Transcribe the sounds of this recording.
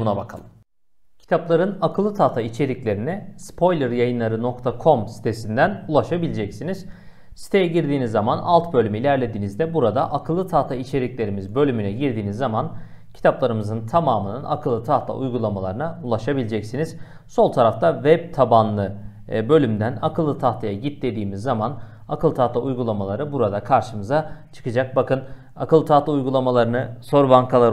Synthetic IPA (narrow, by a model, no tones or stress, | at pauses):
unabakʰa̰lˠɯm | cʰi̥t̪ʰaplˠaɾɯnakʰɯlˠːɯt̪ʰaːt̪ʰait͡ʃʰe̞ɾiclʲe̞ɾinɛspʰo̞jlʲˠɛɾjajɯnlˠaɾɯno̞kt̪ʰakʰo̞msi̥t̪ʰe̞sind̪ænulˠaʃabilʲed͡ʒɛcsiniz̥ | si̥t̪ʰe̞jɛɟiɾd̪iːnizːamanʔa̰lˠt̪bølʲymiilʲæɾlʲe̞d̪iːnizd̪ɛbuɾad̪aʔakʰɯlˠːɯt̪ʰaːt̪ʰait͡ʃʰe̞ɾiclʲe̞ɾimizbø̞lʲymynɛɟiɾd̪iːnizːaman | cʰi̥t̪ʰaplˠaɾɯmɯzɯnt̪ʰamaːmɯnɯna̰kʰɯlˠːɯt̪ʰaht̪lˠa̰ʔṵjɡulˠamalˠaɾɯnaulˠaʃabilʲid͡ʒɛcsiniz̥ | so̞lˠt̪ʰaɾaft̪ʰavɛb̚t̪ʰabanlˠɯ | bø̞lʲymd̪ænakʰɯlˠːɯt̪ʰaht̪ʰajaɟit̪ːe̞d̪iːmizːaman | akʰɯlˠɯt̪ʰaht̪ˠaujɡulˠamalˠaɾɯbuɾad̪akʰaɾʃɯmɯzat͡ʃʰɯ̥kɯd͡ʒak̚bakɯn | akɯlˠɯt̪ʰaht̪lˠaujɡulˠamalˠaɾɯnɯso̞ɾbaŋkʰalˠaɾ